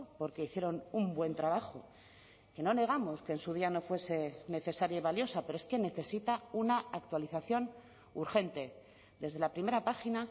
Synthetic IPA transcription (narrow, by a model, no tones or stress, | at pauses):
po̞ɾke̞iθje̞ɾo̞numbwe̞nt̪ɾaβ̞axo̞ | ke̞no̞ne̞ɣ̞amo̞ske̞ːnsuð̞iano̞fwe̞se̞ne̞θe̞saɾjaiβaljo̞sape̞ɾoeske̞ne̞θe̞sit̪aunaak̚t̪waliθaθjo̞n | uɾxe̞nt̪e̞ | d̪e̞zðe̞lapɾime̞ɾapaxina